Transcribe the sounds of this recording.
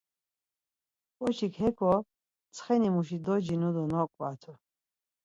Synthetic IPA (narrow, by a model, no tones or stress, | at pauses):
pʼɔt͡ʃʰikʰhɛkʰɔ | t͡sʰχɛnimuʃid̪ɔd͡ʒinud̪ɔnɔkʼwat̪ʰu